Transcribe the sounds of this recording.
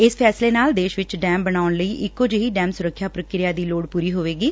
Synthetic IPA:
ɪspʰɛːsleːnaːld̪eːʃʋɪt͡ʃɖɛːmbənaːʊnləiːʔɪkːoːd͡ʒɦiːɖɛ̃ːmsʊɾəkʰːjaːpɾəkɾɪjaːd̪iːloːɽpuːɾiːɦoːʋeːɡiː

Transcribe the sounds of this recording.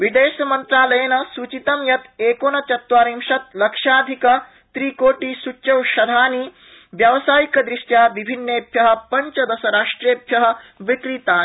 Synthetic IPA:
ʋid̪eːʃɐmɐnt̪ɾaːlɐjɐnɐsut͡ʃit̪ɐmjɐt̪eːkoːnɐt͡ʃ̪ɐt̪ʋaːɾimʃɐt̪̚lɐkʂaːd̪ʱikɐ | t̪ɾiːkoːʈiːsut͡ʃɐwʃɐd̪ʱaːniː | ʋjɐʋsaːjikɐd̪ɾiʂjaːʋibʱinːeːbjɐɦɐ̆pɐɲt͡ʃɐd̪ɐsɐɾaːʂʈɾeːbʱjɐɦɐ̆ʋik̪ɾiːt̪aːn

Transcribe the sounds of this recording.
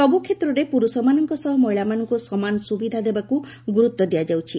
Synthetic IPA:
sɔbukʰet̪ɾɔɾepuɾusɔmanɔŋkɔsɔɦɔmɔjɭamanɔŋkusɔmanɔsubid̪ʱad̪ebaku | ɡuɾut̪ːɔd̪ijad͡ʒawt͡ʃʰi

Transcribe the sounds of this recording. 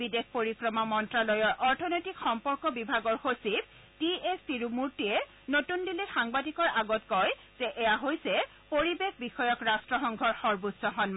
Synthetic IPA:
bidexpoɹikɹɔmamɔntɹalɔjɔɹʔɔɹtʰɔnojtikxɔmpɔɹkɔbibʱaɡɔɹxosib̚ | tiestiɹumuɹtiɛ | notundilixaŋbadikɔɹaɡɔtkɔj | z̥ɛʔɛjaɦojsɛ | poɹibexbixɔjɔkɹastɹɔxɔŋɡʱɔɹxɔɹbutsɔɦɔn

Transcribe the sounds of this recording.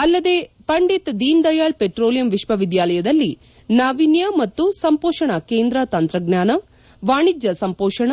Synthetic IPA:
ɐlːɐd̪eːpɐɳɖit̪d̪iːnd̪ɐjaːɭpeʈɾoːlijɐmʋiʃʋɐʋid̪jaːlɐjɐd̪ɐlːi | naːʋinjɐmɐt̪ːusɐmpoːʂɐɳɐkeːnd̪ɾat̪ɐnt̪ɾɐɡnʲaːnɐ | ʋaːɳid͡ʒjɐsɐmpoːʂɐɳɐ

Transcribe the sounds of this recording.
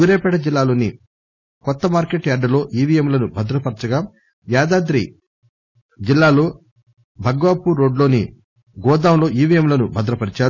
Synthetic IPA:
uːɾeːpɛʈɐd͡ʒilːaːlo̞ːni | kɔt̪ːɐmaːɾkeʈjaːɾɖɐlo̞ːʔiːʋijɐmlɐnubʱɐd̪ɾɐpɐɾit͡ʃɐɡaː | ʋjaːd̪aːd̪ɾḭ | d͡ʒilːaːlo̞ː | bʱɐɡʋaːpuɾːo̞ːɖlo̞ːni | ɡɔːd̪aːmlo̞ːʔiːʋijɐmlɐnubʱɐd̪ɾɐpɐɾit͡ʃaːɾ

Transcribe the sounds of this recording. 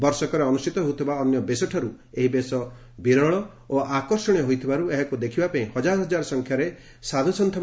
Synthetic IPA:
bɔɾsɔkɔɾeɔnust͡ʃit̪ɔɦout̪ʰibaɔnjɔbesɔʈʰɔɾu | eɦibesɔ | biɾɔɭɔ | oʔakɔɾsɔɽ̃ijɔɦojt̪ʰibaɾueɦakud̪ekʰibapaĩhɔd͡ʒaɾɔɦɔd͡ʒaɾɔsɔŋkʰjaɾe | sad̪ʱusɔnt̪ʰɔ

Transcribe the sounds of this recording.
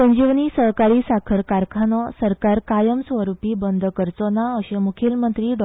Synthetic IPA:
səɲd͡ʑiʋniːsəɦkaɾiːsakʰəɾkaɾkʰanɔsəɾkaɾkajəmsʋəɾupiːbənd̪ʱkəɾt͡sɔnaəɕemukʰilmənt̪ɾiːɖ

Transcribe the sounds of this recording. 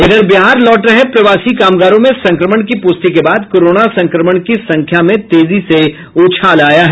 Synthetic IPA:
ɐɡəɾbɪɦaːɾlɔːʈɾɐɦepɾɐʋaːsikaːmɡaːɾõmẽsɐ̃ŋkɾəməɳ̃kipʊst̪ikebaːd̪koːɾoːnasɐ̃ŋkɾəməɽ̃kisɐ̃ŋkʰjamẽt̪eːzise | oːt͡ʃʰaːlaːjaɦɛ

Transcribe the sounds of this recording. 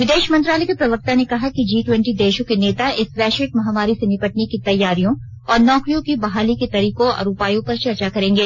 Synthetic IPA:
ʋɪd̪eːʃmɐ̃nt̪ɾaːlɛekepɾɐʋək̚t̪anekɐɦakid͡ʒiːʈwɛ̃ɳʈid̪eːʃõkeneːt̪aʔɪsʋɛːʃɪʈ̚mɐɦaːmaːɾisenɪpɐʈ̚nekit̪ɐjːaːɾijõ | ɔːɾnɔːkɾijõkibɐɦaːliket̪ɐɾiːkoɐ̰ɾuːpaːjõpɐɾt͡ʃɐɾt͡ʃakɐɾẽːŋɡeː

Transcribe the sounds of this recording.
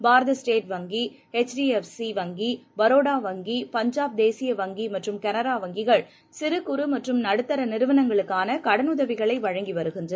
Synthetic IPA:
baːɾɐðɐsʈeːʈʋɐŋɡi | ɛt͡ʃɖiɛfsiʋɐŋɡibɐɾoːɽaːʋɐŋɡipɐɲd͡ʒaːp̚d̪eːsɪjɐʋɐŋɡimɐʈrɯmkɛnɐɾaːʋɐŋɡɪɣɐɭ | sɪɾɯkːʊɾɯmɐʈrɯmnɐɽɯt̪ːɐɾɐnɪɾɯʋɐnɐŋɡɐɭɯkːaːnɐkɐɽɐnʊðɐʋɪɣɐɭɐɪʋɐɻɐŋɡiʋɐɾɯɣɪndrɐ

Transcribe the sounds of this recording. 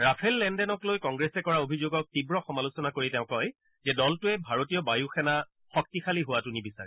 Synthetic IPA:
ɹapʰɛlːɛndɛnɔklojkɔŋɡɹɛsɛkɔɹaobʱizoɡɔk̚tibɹɔxɔmalusɔnakoɹitɛʊ̃kɔj | zɛdɔltʊɛbʱaɹotijɔbajuxɛna | xɔk̚tixʰaliɦʊwatunibisaɹɛ

